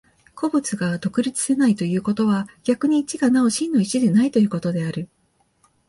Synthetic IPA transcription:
kʰo̞bɯ̟t͡sɨɡad̪o̞kɯ̟ɾʲit͡sɨ̥se̞nait̪o̞jɯ̟ːko̞t̪o̞β̞aɡʲakɯ̟ɲ̟iːt͡ɕiɡanao̞ɕĩnːo̞it͡ɕid̪e̞nait̪o̞jɯ̟ːko̞t̪o̞d̪e̞aɾɯ̟

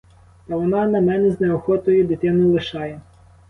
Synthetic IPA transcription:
t̪ɐʋɔnɑnɐmɛnɛznɛɔxɔt̪ɔjɛd̪ɪt̪ɪnɔjlˠɪʃɑjɛ

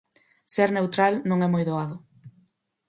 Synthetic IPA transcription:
seɾnewt̪ɾalnõŋɛmojðoaðʊ

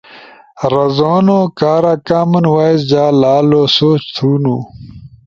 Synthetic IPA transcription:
ɾɐzoːnoːkaːɾaːkaːmɐnwaːizd͡ʑaːlaːlosoːt͡ɕt̪ʰuːnuː

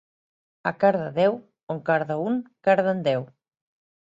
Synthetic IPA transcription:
akaɾðaðɛw | oŋkaɾðauŋkaɾðand̪ɛw

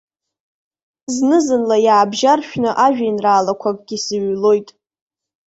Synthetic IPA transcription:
znɨzɨnlajaːbʒarʃᶣnɨʔaʒᶣainraːlakʷʰakʼɡʲisɨɥlo̞jtʼ

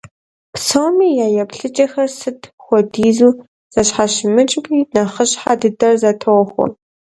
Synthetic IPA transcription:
psowmiːjaːjɛpɬɨt͡ʃʼɐxɐrsɨtʰxʷɔdiːzuː | z̥ɐɕħaɕɪmɨt͡ʃʼkʷʼiːnɐχəɕħadɨdɐrzɐtʰowxʷɔ̰

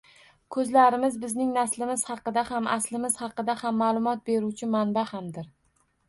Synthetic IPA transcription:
kʰɵzlaɾɪmɪzbɪznɪŋnaslɪmɪz̥hɑqɨd̪ahamʔaslɪmɪz̥hɑqɨd̪ahamːaːlˠʊmɒt̪̚be̞ɾuwt͡ʃʰɪmanbahamd̪ɪɾ

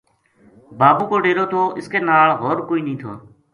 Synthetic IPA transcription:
baːbuːkoːɖeːɾoːt̪ʰoːʔɪskeːnaːɭɦoːɾkoːiːnəĩːt̪ʰo̰ː

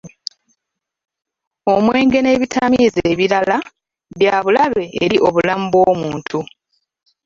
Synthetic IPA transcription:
o̞mwe̞ːŋɡe̞ne̞βitʰamizeːβiɾala | βjaːβulaβe̞ːɾiʔo̞βulamubwo̞ːmuːntʰu

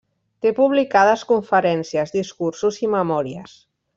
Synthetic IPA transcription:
t̪epuβ̞likað̞əskuɱfəɾɛnsiəzðiskuɾsuziməmɔɾiəs

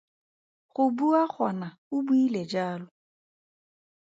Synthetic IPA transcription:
χʊbuaχɔ̰na | ʊbuiled͡ʒaːlʊ

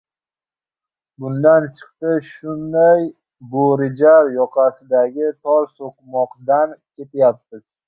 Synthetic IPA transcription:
bʊnd̪ant͡ʃʰɨ̥q̚t̪ɪʃʊnd̪aj | boɾɪd͡ʒaɾjɒqʰɑsɪd̪aɡʲɪt̪ʰɒɾsoqmɒqd̪ankʲʰe̞t̪ʰjap̚t̪ɪz̥

